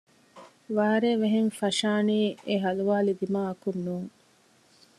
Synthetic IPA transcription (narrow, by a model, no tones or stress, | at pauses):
ʋaːɾeːʋeɦenfɐʃaːniːʔeɦɐluʋaːlid̪imaːɐkunːuːŋ